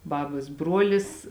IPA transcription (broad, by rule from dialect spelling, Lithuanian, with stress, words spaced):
ˈbɑːbɐs ˈbruɔlʲɪs